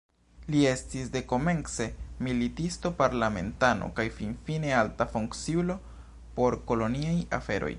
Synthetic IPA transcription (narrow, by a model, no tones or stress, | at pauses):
lie̞stisde̞ko̞me̞nse̞militisto̞paɾlame̞̰ntano̞̰kajfinfine̞altafuŋkt͡ssiulo̞ | po̞ɾko̞lo̞niaja̰fe̞̰ɾo̞̰j